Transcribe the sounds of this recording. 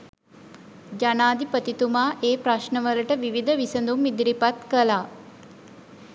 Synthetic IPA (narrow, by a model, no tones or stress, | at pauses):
d͡ʒanaːd̪ipət̪it̪umaːʔeːpɾaʃnəʋələʈəʋiʋid̪əʋisənd̪umːid̪ɾipat̪kəlaː